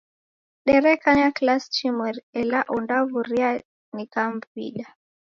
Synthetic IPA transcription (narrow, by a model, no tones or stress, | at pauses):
ɗɛɾɛkaɲaklast͡ʃimwɛɾɛlaʔɔndavuɾia | nikamvḭɗa